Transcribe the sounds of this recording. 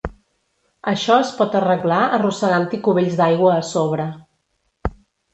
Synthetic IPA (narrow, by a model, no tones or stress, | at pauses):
əʃɔəspɔt̪ərəɣlaʔərusəɣant̪ikuβeʎzd̪ajɣwəːsoβɾə